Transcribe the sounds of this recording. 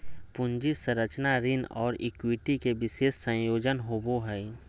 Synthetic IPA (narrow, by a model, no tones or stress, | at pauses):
pʊɲd͡ʒisəɾət͡ʃnaɾɪnɔ̰ːɾɪ̰kwɪʈikeʋɪseːʃsə̃joːd͡ʒənɦoboɦɛi